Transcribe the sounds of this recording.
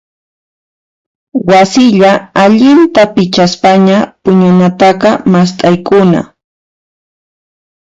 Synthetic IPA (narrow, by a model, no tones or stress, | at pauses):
wasɪʎaaʎɪnt̪apɪt͡ʃaspaɲapʊɲʊnat̪ɑqɑmast̪ʼajkʊna̰